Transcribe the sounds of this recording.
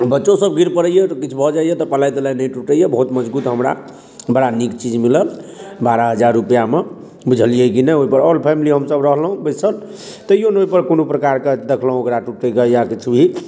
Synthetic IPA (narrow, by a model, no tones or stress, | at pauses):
bətːʃosəb̚ɡʱiɾpəɽəjekit͡ʃʰubʱɔd͡ʒajet̪ɔpəlajd̪elanəjʈuʈəjebəɦut̪məd͡ʒbut̪ɦəmɾa̰ | bəɽanikt͡ʃid͡ʒmiləlbaɾəɦəd͡ʒaɾːupjame | bud͡ʒʱəlijɛkinɛoipəɾɔlpʰɛmiliɦəmsəbɾəɦlɦũbəjsəl | t̪əjonoipəɾkonopɾəkaɾked̪ekʰləɦũokɾaʈuʈəkejakit͡ʃʰubʱi